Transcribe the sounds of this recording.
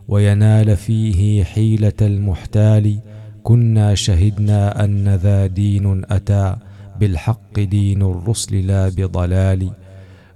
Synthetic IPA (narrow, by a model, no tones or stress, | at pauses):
wʔajanaːlfiːɦɪħiːlalmʊħt̪aːlikʊnːaːʃaɦɪd̪naːʔanːaðaːd̪iːnʔat̪aːbɪlħɑqːɨd̪iːnarːʊslɪlaːbɪd̪ˤɑlaːli